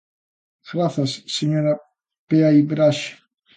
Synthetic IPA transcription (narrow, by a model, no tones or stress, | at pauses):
ɡɾaθɐsːeɲoɾa | peaibɾaʃ